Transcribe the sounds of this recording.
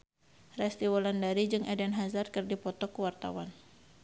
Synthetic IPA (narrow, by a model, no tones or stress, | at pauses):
rɛst̪iwɔlandaɾid͡ʒɨŋʔɛdɛnɦazarkɨrdipɔt̪ɔkuwart̪a̰wan